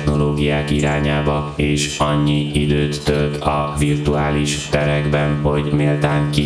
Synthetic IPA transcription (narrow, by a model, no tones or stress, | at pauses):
no̞loːɡijaːkiɾaːɲaːbɒeːʃɒɲːiid̪øːt̪ːølt̪ɒvirt̪uaːliʃt̪ɛɾɛɡbɛnɦo̞ɟmeːlt̪aːŋki